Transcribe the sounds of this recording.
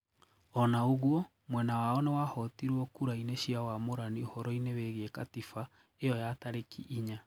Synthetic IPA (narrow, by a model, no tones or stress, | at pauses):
ɔnaoɣwɔ | mwɛnawaɔnewahɔtiɾwɔkuɾaineɕiawamoɾaniohɔɾɔineweɣeekatifa | ejɔjataɾekiʔːɲa